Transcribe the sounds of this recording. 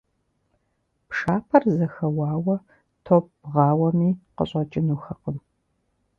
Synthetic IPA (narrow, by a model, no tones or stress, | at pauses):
pʂaːpʰɐrzɐxɐwɑːwɐ | tʰoːp̚ʁɑːwɐmiːqə̰ɕʼɐt͡ʃʼɪnuːxɐqəm